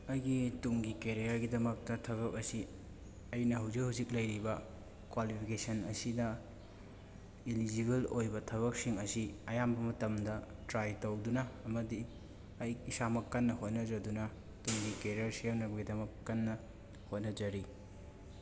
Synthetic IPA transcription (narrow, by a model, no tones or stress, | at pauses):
ɐjɡituŋɡikeɾijɐɾɡidɐmɐk̚tɐtʰɐβɐk̚ɐsi | ɐjnɐɦawzik̚hawzik̚lɐjɾibɐ | kwalipʰikesɐnɐ̰sidɐ | ilid͡ʒiβelojbɐtʰɐβɐk̚siŋɐsiɐjambɐmɐtɐmdɐtɾajtowdunɐːmɐdi | ɐjisamɐkːɐnːɐhot̚nɐd͡ʒɐdunɐ | tuŋɡikeɾijɐɾsijawnɐbɐɡidɐmɐkːɐnːɐ | hot̚nɐd͡ʒɐɾi